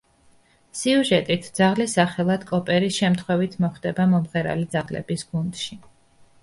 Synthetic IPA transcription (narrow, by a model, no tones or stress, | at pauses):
siuʒɛt̪ʼit̪ʰd̪z̥aʁlisaχɛlˠad̪̥kʼɔpʼɛɾisʃɛmt̪ʰχwɛvit̪ʰmɔχd̪ɛbamɔmʁɛɾa̰lid̪zaʁlɛ̰bisɡund̪ʃi